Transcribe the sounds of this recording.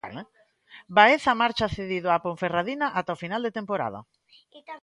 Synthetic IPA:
baeθamaɾt͡ʃaθeðiðʊapoɱferaðinaʔat̪aofinald̪et̪empoɾa̰ðɐ̰

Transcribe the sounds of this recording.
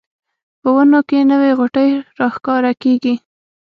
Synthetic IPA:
pəwənokenəweɣʊʈəjɾɑxkɑɾakeɡi

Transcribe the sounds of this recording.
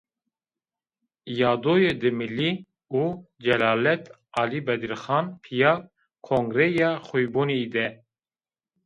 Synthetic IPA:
jɑːd̪oːjed̪ɨmɨlːi | uːd͡ʒɛlɑːlɛt̪ | ɑːlibɛd̪iɾxɑːnpʰijɑː | kʰoŋɡɾɛjɑːxujbuːned̪ɛ

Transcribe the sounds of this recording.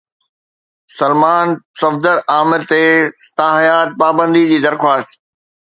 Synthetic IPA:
sɐlmaːnsɐfd̪əɾaːmɪɾt̪est̪aɦjaːt̪̚paːbə̃nd̪id͡ʑiːd̪ɐɾxwaːst̪

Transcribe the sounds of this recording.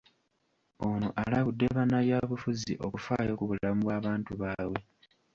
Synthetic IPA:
o̞noʔalaβudːe̞βanaβjaːβufuzḭʔo̞̰kufaːjo̞ːkuβulamuβwaːβaːntuβaːwe̞

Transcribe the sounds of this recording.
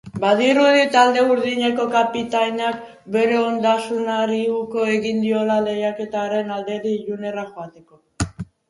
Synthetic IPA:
baðiɾuðit̪ald̪e̞uɾðiɲe̞ko̞kapit̪ajnak̚ | be̞ɾe̞o̞nd̪asunaɾiuko̞e̞ɣind̪io̞lale̞jake̞t̪aːɾe̞nald̪e̞ɾiʎune̞raʝoat̪e̞ko̞

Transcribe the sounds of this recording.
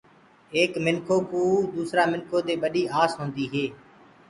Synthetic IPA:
eːkmɪnkʰoːkuːd̪uːsɾaːmɪnkʰoːt̪eːɓəɗiːʔaːsɦõːnd̪iːɦeː

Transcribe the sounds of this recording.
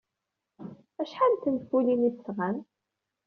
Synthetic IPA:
æʃħant̪ənfuliniθːʁæn

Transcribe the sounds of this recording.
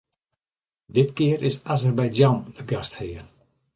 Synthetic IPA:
dɪtkɪərʔɪsazərbajdjanəɡasthɪːrn

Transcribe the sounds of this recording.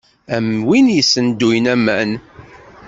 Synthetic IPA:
æmwinjəsːənd̪ujnæmːæn

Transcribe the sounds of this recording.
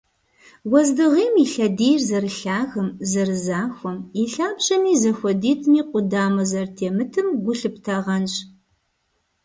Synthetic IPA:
wɔzdɨʁiːmiɬɐdeːjrzɐrɨɬaːɣɐmzɐrɨzaːxʷɔmiɬaːbɕʼɐmiːzɐxʷɔdiːtʰʼmiːqʷʊdaːmɐzɐrtʰeːmɨtʰɨmɡʷʊɬɨptʰaʁɐnɕʼ

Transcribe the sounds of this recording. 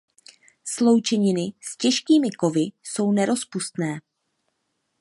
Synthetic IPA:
slo̞wt͡ʃɛɲɪnɪscɛʃkiːmɪko̞vɪso̞wnɛɾo̞spust̪nɛː

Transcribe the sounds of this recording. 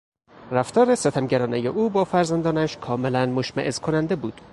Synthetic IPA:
ræft̪ɒːɾeset̪ʰæmɟæɾɒːnejeʔuːbɒːfæɾzænd̪ɒːnæʃkʰɒːmelænmoʃmæʔezkʰonænd̪ebuːd̪̥

